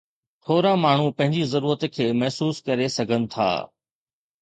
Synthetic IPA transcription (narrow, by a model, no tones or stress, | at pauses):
t̪ʰoːɾãmaːɳ̤upɐ̃ɦɪ̃ɲd͡ʑizɐɾuːɾət̪kʰeːmɐɦsuːskɐɾesɐɡʱənɪ̆t̪ʰa̰ː